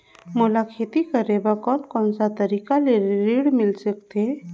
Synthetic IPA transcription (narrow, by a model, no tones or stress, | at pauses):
molakʰet̪ikəɾebakɔnkɔ̃ːnsat̪əɾikaleɾiɽmɪlsəkt̪ʰe